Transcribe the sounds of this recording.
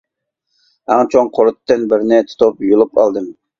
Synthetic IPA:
æŋt͡ʃʰoŋqʰoɾʊt̪ːɨnbɪɾɪnɪt̪ʰʊ̥t̪ʰupjolˠupɑ̰lˠd̪ɨm

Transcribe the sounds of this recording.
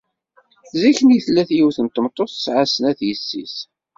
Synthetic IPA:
ziçənjəθlːæθjiwθənt̪ːəmt̪ˤːoθə̥sʕasənæθjəsːḭs

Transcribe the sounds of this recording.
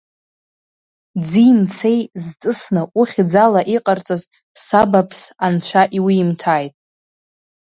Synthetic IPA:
d͡zimt͡sʰe̞jzt͡sʼɨsnaʔuχʲd͡zalaʔiqʼart͡sʼaz | sabapʰsant͡ɕʷʰaʔiwiːmtʰaːjtʼ

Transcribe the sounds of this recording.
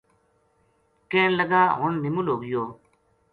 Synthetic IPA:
kẽːnlɐɡaːɦʊnnimuloːɡjoː

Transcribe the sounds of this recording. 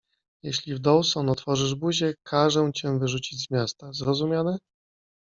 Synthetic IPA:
jɛɕlʲivd̪ɔwsɔnɔt̪fɔʐɘʐbuʑɛkʰaʐɛw̃t͡ɕɛvɘʐut͡ɕid͡ʑzmʲjast̪azɾɔzumʲanɛ

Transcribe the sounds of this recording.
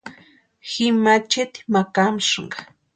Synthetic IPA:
xɪmat͡ʃɪt̪i̥makamʃŋɢɑ

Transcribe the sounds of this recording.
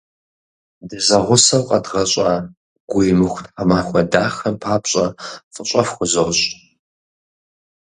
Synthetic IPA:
dɨzɐʁʷʊsɐwqʼɐdʁɐɕʼa | ɡ̥ʷijmɨxʷtħamaːxʷɔdaːxɐmpʰaːpɕʼɐfʼɨɕʼɐfxʷʊzoɕʼ

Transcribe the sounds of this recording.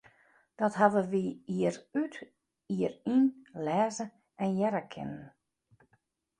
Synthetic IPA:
d̥ɔtɦaʋəʋiiəryt | iərinlɛːzə | ɛnjɛɾəkʰɪ̰nən

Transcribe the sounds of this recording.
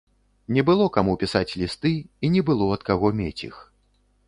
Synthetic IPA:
nʲɛbɨlˠɔkamupʲisat͡sʲlʲist̪ɨinʲɛbɨlˠɔɐt̪kaɣɔmʲet͡sʲḭx

